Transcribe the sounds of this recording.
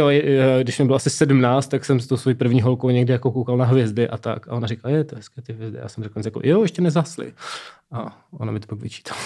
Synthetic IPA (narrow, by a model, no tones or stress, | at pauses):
jojɛɡdɪʃmɛbɪloasɪsɛdm̩naːt͡st̪ːaksɛmst̪owsvo̞jipr̩vɲiːɦolkowɲɛɡdɪjakokowkalnaɦvjɛzdɪʔat̪a̰kaʔonarɪkalajɛt̪oɦɛskɛːt̪ɪɦvjɛzdɪ̰ja̰ːsɛmrɛklnzrɛkl̩̰jojɛʃcɛnɛzaslɪ̰ʔa | ʔonamɪt̪opakvɪt͡ʃi̥t̪ʰḁl